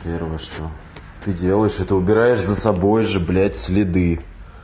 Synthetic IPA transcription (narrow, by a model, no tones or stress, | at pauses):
pʲe̞rvəjəʂt̪o | t̪ɨdʲe̞lˠəjɪʂɛt̪ɨʊbʲɪɾajɪʂzəsɐbo̞jʐɨblʲætʲsʲlʲɪd̪ɨ